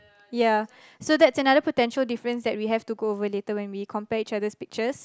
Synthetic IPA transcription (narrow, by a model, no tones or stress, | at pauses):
ja | sod̪ɛtsənadəpotɛ̃nʃəldifəɹə̃nsdɛt̚wiɦɛftuɡoovəletəwɛ̃nwikʰɔ̃mpɛit͡ʃadəspik̚t͡ʃəs